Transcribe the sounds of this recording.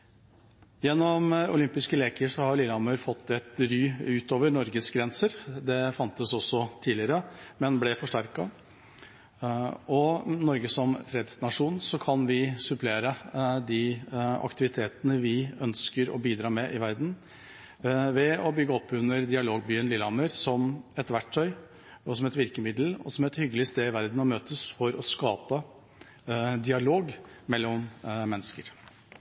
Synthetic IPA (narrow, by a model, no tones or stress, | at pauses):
jɛnːɔmʊ̰lʏmpɪskəleːkəʂɔhɑɾlɪːlɑmœʏɾfɔt̪ːɛt̪ɾyːʉːt̪oːʋəɾnɔɾɡəsɡɾɛnsəɾd̪ɛfɑnt̪əsɔsːɔt̪ʰiːlɪəɾəmɛnblɛfɔʂʈæɾkɑ | ɔnɔɾɡəsɔmfɾeːd̪snɑʂuːnsɔkʰɑnʋɪsʉpleːɾəd̪ɪɑ̰kt̪ɪʋɪt̪ʰeːt̪ənəʋɪœnskəɾɔ̰biːd̪ɾɑːmɛʔɪʋæɾd̪n̩ | ʋɛɔbʏɡːəɔpːʉnːəɾd̪ɪɑloːɡ̚byːənlɪlɑməɾsɔmɛt̪ʋæʈʰːœʏ | ɔsɔmɛt̪ʋɪɾkəmɪd̪l̩ɔ̰sɔmɛt̪hʏɡːəlɪst̪eːɪʋæɾd̪n̩ɔmøːt̪əsfɔɾɔskɑːpə | d̪ɪɑloːɡmɛlːɔmmɛnːəskəɾ